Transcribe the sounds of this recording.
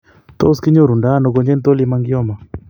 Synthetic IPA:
t̪ɔ˦ski˦ɲo˦ɾu˨ndaː˦nɔ˨kɔ˨ɲd͡ʒɛ˦nt̪o˦li˦ma˦ŋɡjɔ˦ma˨

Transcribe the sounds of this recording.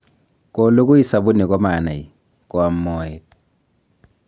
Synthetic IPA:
kɔ˦lo˦k̬u˦ji˦sa˨βu˦ni˨k̬ɔ˦ma˨na˨i˨ | kwa˨mːɔ˦ɛt

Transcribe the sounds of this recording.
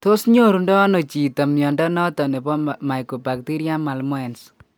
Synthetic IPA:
t̪o˦sɲo˦ɾu˨ndɔ˦no˨t͡ʃi˨t̪a˨mnjɔ˨ndɔ˦nɔ˦t̪ɔ˨ne˨bɔ˦ma˨jko˨ba˨k̚t̪i˦ɾja˦ma˨lmwɛ˨ns

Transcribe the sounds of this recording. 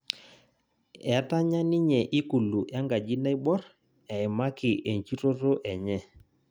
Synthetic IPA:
ɛ˨˦ta˦ɲa˦ni˦ɲɛ˨ʔi˦ku˨lu˨ʔja˦ŋɡa˨d͡ʒi˦na˦i˦bɔ˦ɾ | ɛ˨ɪ˨ma˦kɪ˨ʔe˨ɲt͡ʃi˦ɾo˦ɾo˦ʔɛ˨ɲɛ˦

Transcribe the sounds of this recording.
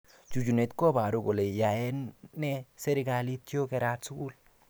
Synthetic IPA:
t͡ʃu˨d͡ʒu˨ne˨tko˦ba˨ɾu˨ɡo˨le˨ja˨ɛ˦nːɛ˦se˦ɾi˦ɡa˨li˦t͡ʃjo˦kɛ˨ɾa˦tsu˦ku˦l

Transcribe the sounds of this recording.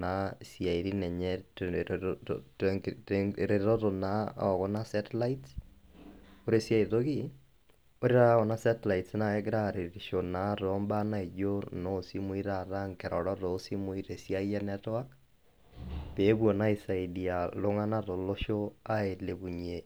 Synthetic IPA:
na˦sja˨i˨ɾi˦nɛ˨ɲɛ˦ | ɾeɾɔ˦to˨na̰˦ɔ˨kɔ˦na˦sɛ˦tla˦its | o˦ɾe˨sja˦i˨to˦ki˦ | o˦ɾi˦ɾa˦kɔ˨na˦sɛ˦tla˨itsna˦ɛ˦kɪ˦ɾa˦ɾe˨ɾiʃo˨na˨˦tɔ˨˦mba˦na˦i˨d͡ʒo˦no˦si˦mu˦i˦ɾa˨ɾa˦ŋkɛ˨ɾɔ˨ɾɔ˦to˨˦si˦mʊ˨˦i˦ɾe˨sia˦jɛ˦nɛ˦tɔ˦a˦k̚ | pe˨˦bwɔ˨na˦i˨sa˨idia˨lʊ˦ŋa˦na˦to˨lo˦ʃo˦a˦e˨le˨bu˨ɲe˨

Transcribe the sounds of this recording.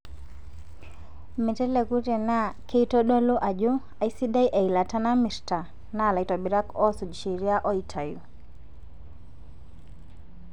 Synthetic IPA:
mi˨te˦le˨ku˦te˨na˦kʰe˦i˦to˦ɗɔ˦lo˦ʔa˨d͡ʒu˦ | a˨i˦si˦da˦jʔe˨i˨la˨ta˦na˦mi˨ɾta˨ | na˦˨la˨i˨tɔ˨bi˨ɾa˦kɔ˦su˨d͡ʒʃi˨ɾi˦a˦ʔɔ˦i˨tʰa˨jṵ˨

